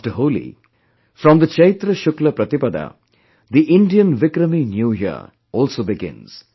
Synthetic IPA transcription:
ʈəɦolḭ | fɾɔmd̪ət͡ʃʌɾit̪ɾəʃʊklɐpɾʌt̪ipɐd̪a̰ | d̪iʔɪ̃ɳɖijənʋɪkɾəminjujḭ | ɔlsobɪɡɪ̰̃nz̥

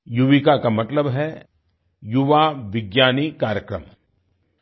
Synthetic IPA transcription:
juʋikakamɐt̪ləbɦɛ | jʊʋaʋɪɡjaːnikaːɾjəkɾə̰m

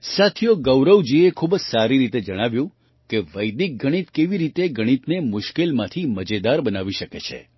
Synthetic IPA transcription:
sat̪ʰijoɡəwɾəwd͡ʒiekʰubd͡ʒsaɾiɾit̪ed͡ʒəɽ̃aʋjũ | keʋəjd̪ik̚ɡʱəɽ̃it̪keʋiɾit̪eɡʱəɽ̃it̪nemʊʃkelmãt̪ʰiməd͡ʒed̪aɾbənaʋiʃəket͡ʃʰḛ

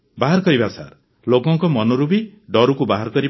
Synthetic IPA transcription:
baɦaɾɔkɔɾibasa̰ɾ | lokɔŋkɔmɔnoɾubiɖɔɾukubaɦaɾɔkɔɾi

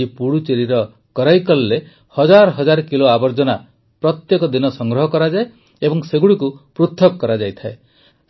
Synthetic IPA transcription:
ipuɽut͡ʃeɾiɾɔ | kɔɾajkɔlːe | hɔd͡ʒaɾɔɦɔd͡ʒaɾkiloabɔɾd͡ʒɔna | pɾɔt̪jekɔd̪inɔsɔŋɡɾɔɦɔkɔɾad͡ʒae | ebɔŋseɡuɽikupɾut̪ʰːɔkɔkːɔɾad͡ʒajt̪ʰae

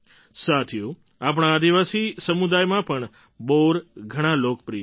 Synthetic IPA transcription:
sat̪ʰiju | ap̬ɳ̃ãːd̪iʋasisəmud̪ajmãpəɳ | boɾɡʱəɽ̃ãlok̚pɾi

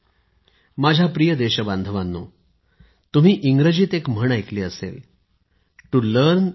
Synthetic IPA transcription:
mad͡ʑʱjapɾijəd̪eɕəband̪ʱəʋanːo̰ | t̪um̤iːʔiŋɡɾəd͡ʑiːt̪ekm̤əɳajkliːəsḛl | ʈuləɾn

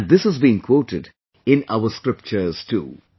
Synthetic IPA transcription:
ɖ̚d̪ɪshəzbĩnkʰwoːʈɪd | ɪ̃na̰ʊəskɾɪp̚t͡ʃəz̥tṵː

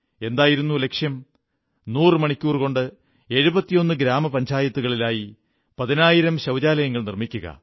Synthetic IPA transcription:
e̞nd̪aːjiɾunːule̞kʂjɐm | nuːrɨmɐɳikʲːuːrko̞ɳɖɨ | e̞ɻubɐt̪ːijo̞nːɨɡɾaːmɐpɐɲd͡ʑaːjɐt̪ːuɣɐɭilaːji | pɐðinaːjiɾɐmɕɐʋd͡ʑaːlɐjɐŋːɐɭnirmikʲːuɣɐ̰

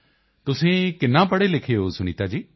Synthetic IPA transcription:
t̪ʊsẽːkɪnːãːpəɽelɪkʰeosʊɽ̃iːt̪aːd͡ʒiː

